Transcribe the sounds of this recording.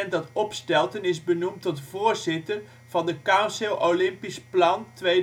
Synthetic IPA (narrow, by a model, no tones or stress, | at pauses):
ɛndɑtɔpstɛlˠtənɪzbənumtɔtvʊːrzɪtər | v̥ɑndəkasɪlˠʔowlɪmpisplɑntʋe